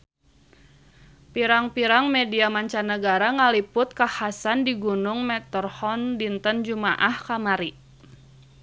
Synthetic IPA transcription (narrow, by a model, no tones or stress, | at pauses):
piɾaŋpiɾaŋmediamaɲt͡ʃanəɡaɾaŋalipʊt̪̚kahasandiɡunʊŋmɛt̪ərhɔndint̪ənd͡ʒumaʔahkamaɾi